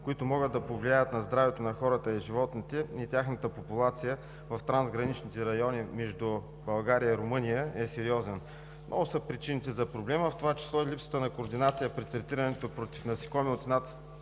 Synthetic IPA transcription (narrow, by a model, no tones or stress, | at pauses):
koit̪ʊmɔɡəd̪d̪ɐpovliajət̪nɐzd̪ɾavɛt̪onɐxɔɾət̪əiʒivɔt̪nit̪ɛit̪ʲaxnət̪əpopulˠat̪sijə | vɐft̪ɾanzɡɾɐnit͡ʃnit̪ɛɾɐjɔnimɛʒd̪u | bɐlˠɡaɾijəiɾomɤnijəɛsɛɾiɔzɛn | mnʔɔ̰ɡʊsəpɾit͡ʃinit̪ɛzɐpɾoblɛməft̪ovat͡ʃɛ̥slˠɔilipsə̥t̪ənɐkoːɾd̪inat̪sijəpɾit̪ɾɛt̪iɾənɛt̪opɾot̪i̥fnɐsi̥kɔmɛlˠt̪inat̪